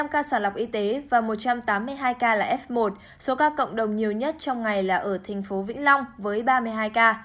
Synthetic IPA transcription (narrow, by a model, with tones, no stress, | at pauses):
a˧mkaː˧saː˧˩nla˨˩wk͡p̚ʔi˧t̪e˨˦vaː˨˩mo˨˩t̚t͡ɕa˧mt̪aː˨˦mːɨ˧əjɦaː˧jkaː˧laː˨˩ʔɛ˦˥f̚mo˨˩t̚ | so˨˦kaː˧kə̰˧˨wŋ͡mɗə˨˩wŋ͡mɲi˨˩əwɲə˦˥t̚t͡ɕɔ˧wŋ͡mŋa˨˩jlaː˨˩ʔəː˧˩t̪ʰa˨˩ŋ̟fo˨˦vḭ˧˥ŋ̟la˧wŋ͡mvəː˨˦jɓaː˧mɨ˧əjɦaː˧jkaː˧